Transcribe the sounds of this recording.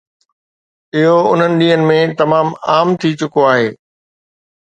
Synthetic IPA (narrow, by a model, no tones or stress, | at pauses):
ɪɦoʊn̤ənɪ̆ɗĩːɦənɪ̆mẽt̪ɐmaːmaːmt̪ʰit͡ɕʊkoaːɦeː